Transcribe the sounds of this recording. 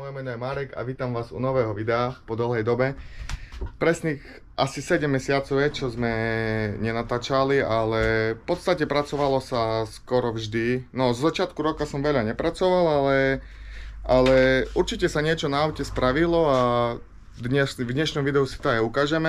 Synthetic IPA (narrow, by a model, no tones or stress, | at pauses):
mɔjɛmɛnɔjɛmaːɾɛɡa̰ʋiːt̪amʋaːzṵnɔʋɛːɦɔʋid̪ɛapɔd̪l̩ˠɦɛjd̪ɔbɛ | pɾɛsniːx | ʔasisɛɟɛmːɛsɪat͡sɔʊjɛt͡ʃɔzmɛɲɛnat̪aːt͡ʃalialɛfpɔt̪st̪acɛpɾat͡sɔʋalɔsaskɔɾɔvʒd̪inɔzɔzat͡ʃɪat̪kuɾɔkasɔmʋɛʎaɲɛpɾat͡sɔʋalalɛ | ʔalɛuɾt͡ʃicɛsaɲɪɛt͡ʃɔnaɔʊcʲɛspɾaʋilɔa | d̪ɲɛʃvd̪ɲɛʃnɔmʋid̪ɛɦusi̥t̪ɔajukaːʒɛmɛ